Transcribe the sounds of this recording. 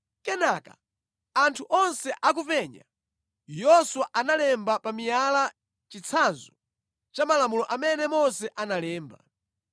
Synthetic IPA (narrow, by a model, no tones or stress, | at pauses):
kɛnaka̰ | antʰuʔɔnsɛʔak̬upɛɲa̰ | jɔswaʔanalɛmbapamijala | t͡ʃit͡sʰanzɔ | t͡ʃamalamulɔʔamɛnɛmɔnsɛʔanalɛːmba̰